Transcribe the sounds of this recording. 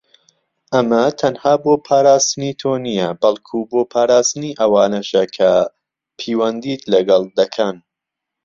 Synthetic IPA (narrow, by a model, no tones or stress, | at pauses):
ʔɐmɐt̪ʰɐnhaːboːpʰaːɾaːst̪ɨnit̪ʰoːnijɐbɐlˠkʰuboːpʰaːɾaːst̪ɨniʔɐwaːnɐʃɐkʰɐ | pʰiːwɐnd̪it̪lɐɡɐlˠd̪ɐkʰɐn